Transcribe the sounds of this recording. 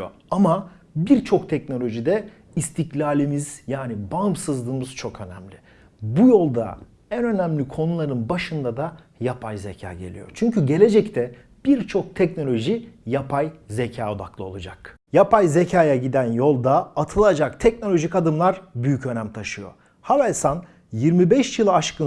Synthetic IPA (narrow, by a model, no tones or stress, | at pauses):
o̰ | ama | biɾt͡ʃʰo̞kt̪ʰɛcno̞lʲo̞ʒid̪ɛ | ist̪ʰiclʲaːlʲimiz̥jaːnibaɯmsɯzlˠɯːmɯz̥t͡ʃʰo̞kʰø̞nɛ̰mlʲi | bujo̞lˠd̪a̰ | ænø̞næmlʲikʰo̞nulˠaɾɯnbaʃɯnd̪ad̪a | japʰajzecʰa̰ːɟe̞̰lʲḭjo̞̰t͡ʃʰyɲcʰyɟe̞lʲe̞d͡ʒɛct̪ʰɛ | b̥iɾt͡ʃʰo̞k̚t̪ʰɛcno̞lʲo̞ʒijapʰajze̞cʰaːo̞d̪a̰klˠɯo̞lˠad͡ʒa̰k | japʰajzecʰaːjaɟid̪ænjo̞lˠd̪aat̪ʰɯlˠad͡ʒakt̪ʰɛcno̞lʲo̞ʒikad̪ɯmlˠaɾbyjycø̞næmt̪ʰaʃɯjo̞̰ | havalʲsan | jiɾmibɛʃjɯlˠaʃkɯ